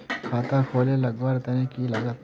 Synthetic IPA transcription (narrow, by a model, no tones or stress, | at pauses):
kʰaːt̪akʰoːlelɐɡʋaɾt̪ɐnẽkilɐɡət̪